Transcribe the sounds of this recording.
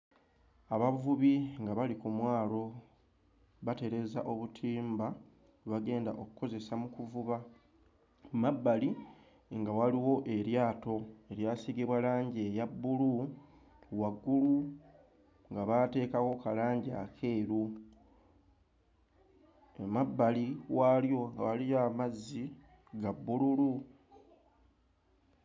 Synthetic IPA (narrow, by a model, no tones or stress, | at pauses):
aβavuβiŋɡaβalikumwaːlo̞ | βate̞ɾe̞za̰ʔo̞βutʰiːmba | βaɡe̞ːnda̰ʔo̞ku̥ko̞ze̞samukuvuβa | mabːali | ŋɡawaliwo̞ʔe̞ɾjaːto̞e̞ɾjasiɡiβwalaːɲɟejabːulu | waɡːulu | ŋɡaβate̞ːkawo̞kalaːɲɟia̰kʰe̞ːɾu | emabːaliwaljo̞ŋɡawalijamazːi | ɡabːululu